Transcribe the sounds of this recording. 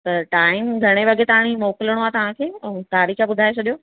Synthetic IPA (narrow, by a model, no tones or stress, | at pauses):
t̪ɐʈaːɪmɡʱɐɽ̃eʋɐɡʱet̪ɐãɽ̃imɔːkɪləɽ̃oaːt̪ɐʋ̤ãkʰẽːt̪aːɾiːxabʊd̪ʱaːet͡ɕʰɐɗijoː